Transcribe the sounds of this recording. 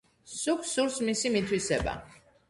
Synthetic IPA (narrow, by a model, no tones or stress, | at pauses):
sukʰsuɾsmisimit̪ʰwisɛba̰